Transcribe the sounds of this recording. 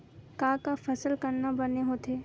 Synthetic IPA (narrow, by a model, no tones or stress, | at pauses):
kãːkafɐsəlkɐɾnabɐneɦoːt̪ʰeː